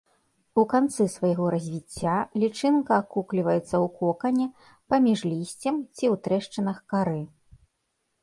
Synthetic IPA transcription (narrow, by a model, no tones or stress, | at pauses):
ukant̪sɨsvajaɣɔɾɐzʲvʲit͡sʲːalʲit͡ʂɨnkɐːkuklʲivɐjɛt̪sːɐwkɔkɐnʲɛ | pamʲiʐlʲisʲt͡sʲɛmt͡sʲiwt̪ɾɛʂt͡ʂɨnɐxkaɾɨ